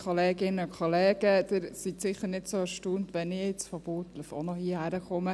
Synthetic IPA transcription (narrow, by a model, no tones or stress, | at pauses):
kʰɔleːɡɪnəʊkʰɔlɛːɡ̥əd̥̪ɪɾsitsɪχəɾnɪtsoɛɾʃtuːntʋɛnɪɪt͡sfɔb̥oːtlœfo̰nɔhiəhæɾəχʊmə